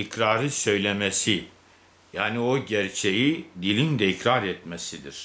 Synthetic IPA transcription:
icɾaːɾɯsø̞jlʲe̞mesi | jaːnio̞ɟæɾt͡ʃʰe̞jid̪ilʲind̪ɛicɾaɾɛt̪mesid̪iɾ̥

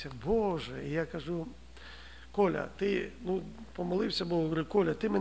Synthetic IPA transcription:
ɐbɔʒɛijakɐʒu | kɔlʲɐ̰t̪ɪnupɔmɐlˠɪwsʲɐbɔɔkɪkɔlʲɐt̪ɪmɛn

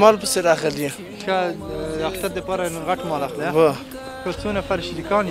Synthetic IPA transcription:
mɑlpəseɾɑɣəlje | xaakt̪aɾd̪əpɑɾaɣaʈmɑlaxlewa | kət͡sonafaɾʃid̪ikɑːn

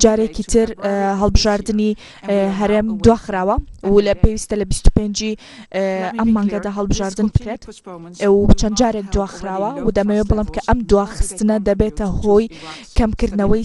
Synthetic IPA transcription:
d͡ʒaːɾekit̪ʰɨɾɦɐlˠbɨʒaːɾd̪ɨni | ɦɐɾeːmd̪uwaːxɨɾaːwɐwlpewist̪ɐlɐbist̪u̥peːnd͡ʒi | ʔɐmːaːŋɡɐd̪aːɦɐlˠbɨʒaːɾd̪ɨnbɨ̥kɾet̪ | t͡ʃʰɐnd̪d͡ʒaːɾek̚d̪uaːxɨɾaːwɐwd̪ɐmewebɨlˠemkʰɐʔɐmd̪uwaːxɨ̥st̪ɨnɐd̪ɐbet̪ɐhoːjkɐmkɨɾd̪nɐwɐj

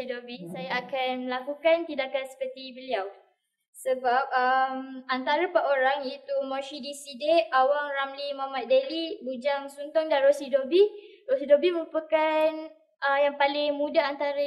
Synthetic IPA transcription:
idobisajaːkanlakukant̪idakansə̥pərt̪ibəliaw | səbap̚əmant̪aɾəpaʔoɾaŋit̪umɔ̃ʃidisideawaŋramlimamat̪̚delibud͡ʒaŋsunt̪ɔŋdanɾosidobi | rosidobiməɾupəkan | əjaŋpalɪŋmũdaant̪aɾə

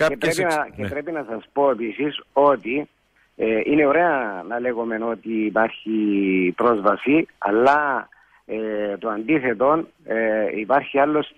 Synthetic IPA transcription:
epɾepncepɾe̞pinɐsɐspo̞e̞pisiso̞t̪i | eine̞oɾe̞ɐnɐle̞ɣome̞no̞t̪iːpɐɾçipɾozvɐsiɐ̰lːɐ | et̪oɐnd̪iθe̞t̪o̞n | ipɐɾçialːo̞s

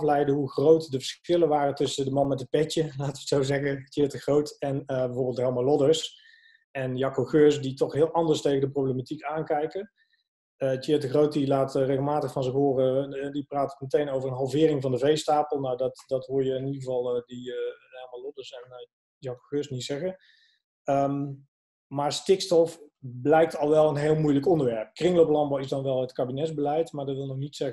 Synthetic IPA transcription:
flɛjdəɦuxrowtdəvəɹsɪlənʋaːrəntɵsədəmɑnmɛtət̚pɛtəlaːtəʋəsowzɛɣətɪtəxrowtɛnəbɛvoːɹbɪlˠtɦɛlˠmalɔdəɹs | ɛnjɑkoχøːsditɔxɦɪːlˠʔɑndəɹstejɣəndəprowblematikaːnkɛjkə | ətetəxrowt̚dilaːtreɣəlˠmaːtəxfɑnzɪxɦʊːrədipraːtə̥tmətejnowvərənɦɑlˠvɪːɾɪŋvɑndəvejstaːpəlˠnawdɑtdɑtɦʊːɹjəɪnidɣəvɑlˠdilˠmalˠodəsɛn | zɑwkəkøsnitsɛɣə | əm | maːɹstɪkstɔfblɛjk̚tɑlˠʋɛlˠənɦeːlˠmujləkɔndəɹʋɛɹp̚krɪŋlowpəlɑmbɔwɪsdɑnʋɛlˠətkaːbinɛzbəlɛjtmaːɹdɑtʋɪlˠnɔxnitsɛɣ

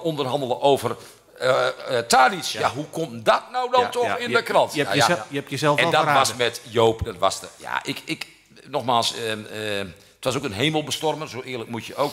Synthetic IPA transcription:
ondərɦɑndəlˠəʔowvər | taːdisjjaɦukʰomdɔt̚nawdɔntɔxɪndəkrɑntɛpjəzɛlˠfɛdɔtʋasmɛtjoːpdɔtʋɔ̰sja̰ʔɪkɪk | nɔxmaːlˠs | ətʋasoːkənɦeːməlˠbəstɔrmənsoːɪːələk̚mutjəowk

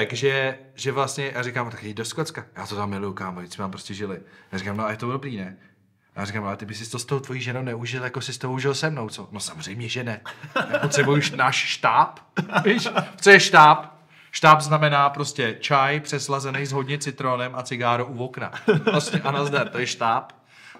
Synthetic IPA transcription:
t̪akʒɛ | ʒɛvlast̪ɲɛjaːrɪkaːmʔot̪akːido̞skot̪t͡skajaːt̪ot̪amːɪlujukaːmoismɛt̪ampɾo̞scɛʒɪlɪjaːɾɪkaːmnoajɛt̪omdo̞bɾiːnɛ | ja̰ːɾɪkaːmalɛt̪ɪbɪsɪst̪ost̪owt̪vojiːʒɛnownɛuʒɪljakosɪst̪oɦouʒɪlsɛmno̞wt͡sono̞samozr̝ɛjmɲɛʒɛnɛjaːpot̪sɛbujuʃnaʃʃt̪aːpviʃt͡sojɛʃt̪aːp | ʃt̪aːpznamɛnaːpɾo̞scɛt͡ʃajpr̥ɛslazɛnɛjzɦo̞dɲɛt͡sɪt̪ɾonɛmʔat͡sɪɡaːɾoʔuvokna̰ɾoscɛʔanazdaɾt̪ojɛʃt̪aːp

